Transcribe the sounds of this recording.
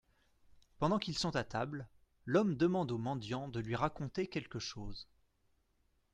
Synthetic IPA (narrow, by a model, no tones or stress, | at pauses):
pɑ̃d̪ɑ̃kilsɔ̃t̪at̪abl | lɔmd̪əmɑ̃d̪omɑ̃d̪jɑ̃d̪əlɥiʁakɔ̃t̪ekʲɛlkəʃoːz